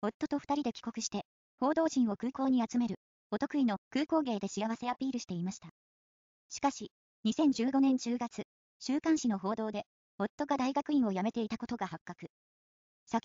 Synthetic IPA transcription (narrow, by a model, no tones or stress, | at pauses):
o̞t̪ːo̞t̪o̞ɸɯ̟̥t̪aɾʲid̪e̞kʲi̥ko̞kɯ̟ɕi̥t̪e̞ | ho̞ːd̪o̞ːʑĩɰ̃o̞kɯ̟ːko̞ːɲ̟iat͡sɨme̞ɾɯ̟ | o̞t̪o̞kɯ̟ino̞kɯ̟ːko̞ːɡe̞ːd̪e̞ɕijaβ̞ase̞apʲiːɾɯ̟ɕi̥t̪e̞imaɕi̥t̪a | ɕi̥kaɕi | ɲ̟isẽ̞ɲ̟d͡ʑɨːɡo̞nẽ̞ɲ̟d͡ʑɨːɡat͡sɨ | ɕɨːkãɰ̃ɕino̞ɦo̞ːd̪o̞ːd̪e̞ | o̞t̪ːo̞ɡad̪aiɡakɯ̟ĩɰ̃o̞jame̞t̪e̞it̪ako̞t̪o̞ɡahakːakɯ̟ | sakʲ